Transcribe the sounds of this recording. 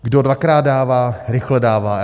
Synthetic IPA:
ɡdodvakɾaːd̚daːvaːɾɪxlɛdaːvaː

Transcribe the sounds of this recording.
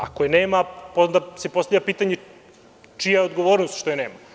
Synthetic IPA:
a̰kojeneːmapod̪asepost̪avʎʲapiːt̪aɲe | t͡ʃijaeod̪ɡo̞ʋoːɾnost̪ʃt̪ojeneːma

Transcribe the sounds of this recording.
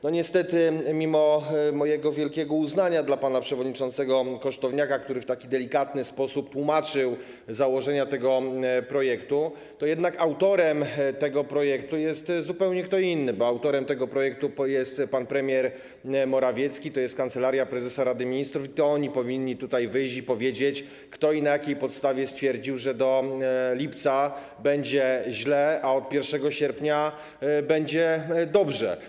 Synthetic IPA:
nɔɲɛst̪ɛt̪ɘmʲimɔmɔjɛɡɔvʲjɛlkʲɛɡɔuznaɲad̪lapanapʂɛvɔd̪ɲit͡ʂɔnt̪sɛɡɔkɔʂt̪ɔvɲakakt̪uɾɘft̪akʲid̪ɛlʲikat̪nɘspɔsupt̪wumat͡ʂɘw | zawɔʐɛɲat̪ɛɡɔpɾɔjɛkt̪u | t̪ɔjɛd̪nakawt̪ɔɾɛmt̪ɛɡɔpɾɔjɛkt̪ujɛst̪zupɛwɲɛkt̪ɔinːɘbɔawt̪ɔɾɛmt̪ɛɡɔpɾɔjɛk̚t̪ujɛst̪panpɾɛmʲjɛɾ | mɔɾavʲjɛt̪skʲit̪ɔjɛst̪kant̪sɛlaɾʲjapɾɛzɛsaɾad̪ɘmʲiɲist̪ɾufit̪ɔɔɲipɔvʲiɲːit̪ut̪ajvɘjɕt͡ɕipɔvʲjed͡ʑet͡ɕ | kt̪ɔinajakʲejpɔt̪st̪avʲjɛst̪fʲjɛɾd͡ʑiwʐɛd̪ɔlʲipt̪sa | bɛɲd͡ʑɛʑlɛaɔt̪̚pʲjɛɾfʂɛɡɔɕɛɾpɲa | bɛɲd͡ʑɛd̪ɔbʐɛ̰

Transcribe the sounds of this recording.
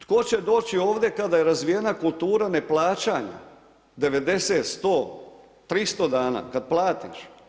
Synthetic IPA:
t̪ko̞t͡ɕe̞d̪o̞ːt͡ɕio̞ːʋd̪e̞kad̪ajeɾazʋijenakulˠt̪uːɾane̞plˠaːt͡ʃaːɲa̰ | d̪e̞ʋe̞d̪e̞seːt̪st̪o̞ː | t̪ɾist̪o̞d̪aːna̰ːkad̪plˠaːt̪ḭʃ

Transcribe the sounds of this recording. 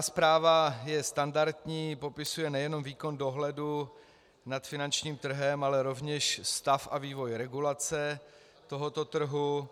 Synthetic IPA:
aspɾaːvajɛst̪andaɾt̪ɲiːpo̞pɪsujɛnɛjɛno̞mviːko̞ndoɦlɛdu | nat̪fɪnant͡ʃɲiːmt̪r̩ɦɛmalɛɾo̞vɲɛʃst̪afaviːvo̞jɾɛɡulat͡sɛ | t̪o̞ɦo̞t̪o̞t̪r̩ɦu

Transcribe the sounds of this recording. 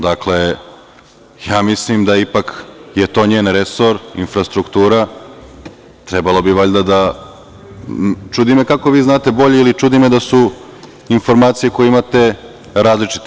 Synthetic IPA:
d̪akle̞ | jaːmislimd̪aipakjet̪o̞ːɲeːnɾeso̞ɾḭnfɾast̪ɾukt̪uːɾa | t̪ɾebalˠo̞biʋaʎd̪ad̪a | t͡ʃud̪ime̞kako̞ʋiːznaːt̪e̞bo̞ʎeilit͡ʃud̪ime̞d̪asu | info̞ɾmaːt̪sije̞ko̞jeimat̪e̞ | ɾaːzlit͡ʃi̥t̪

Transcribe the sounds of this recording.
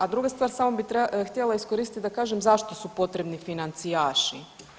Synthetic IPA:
ad̪ɾuɡast̪ʋaːɾsaːmobit̪ɾext̪jelaiskoɾist̪it̪d̪akaːʒemzaʃt̪osupo̞t̪ɾe̞bnifinant̪sijaːʃi

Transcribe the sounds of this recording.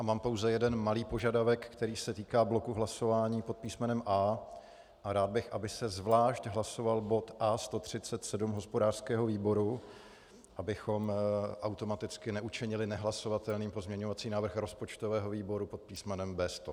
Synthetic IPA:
ʔamaːmpowzɛjɛdɛnmaliːpo̞ʒadavɛkkt̪ɛɾiːsɛt̪iːkaːblo̞kuɦlaso̞vaːɲiːpo̞t̪̚piːsmɛnɛmʔaː | ʔaɾaːd̪̚bɪxʔabɪsɛzvlaːʃcɦlaso̞valbo̞t̪ʔaːst̪o̞t̪r̝̥ɪtt͡sɛt̪sɛdumɦo̞spo̞daːr̥skɛːɦo̞viːbo̞ɾu | ʔabɪxo̞mʔawt̪o̞mat̪ɪt͡skɪnɛʔut͡ʃɪɲɪlɪnɛɦlaso̞vat̪ɛlniːmpozmɲɛɲo̞vat͡siːnaːvr̩xɾo̞spo̞t͡ʃt̪o̞vɛːɦo̞viːbo̞ɾupo̞t̪̚piːsmɛnɛmbɛːst̪o

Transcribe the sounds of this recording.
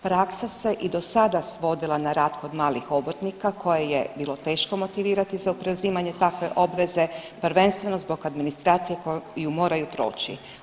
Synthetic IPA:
pɾaksase̞ʔid̪o̞sad̪asʋo̞d̪ilˠanaɾaːt̪kod̪maːlixo̞bot̪nikakʰo̞jejebiːlˠo̞t̪e̞ːʃko̞mo̞t̪iʋiːɾat̪izaupɾeuziːmaɲe̞t̪akʋe̞ʔo̞bʋe̞ze̞pɾʋe̞nst̪ʋe̞no̞zbo̞ɡad̪minist̪ɾaːt̪sije̞kojumo̞ːɾajupɾo̰ːt͡ɕḭ

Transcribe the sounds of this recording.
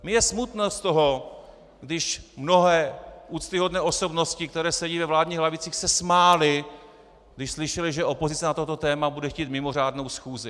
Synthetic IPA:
mɪjɛsmut̪nost̪oɦo̞ | ɡdɪʃmno̞ɦɛːʔuːt͡st̪ɪɦo̞dnɛːʔo̞so̞bno̞scɪkt̪ɛɾɛːsɛɟiːvɛvlaːdɲiːɣɦlavɪt͡siːxsɛsmaːlɪ | ɡ̥dɪʃslɪʃɛlɪʒɛʔo̞po̞zɪt͡sɛnat̪o̞t̪o̞t̪ɛːmabudɛxciːt̪mɪmo̞r̝aːdno̞wsxuːzɪ

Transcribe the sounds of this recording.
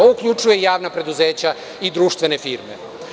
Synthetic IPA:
oukʎʲut͡ʃuje̞jaːʋnapɾe̞d̪uzeːt͡ɕa | id̪ɾuːʃt̪ʋe̞ne̞fiɾme̞̰

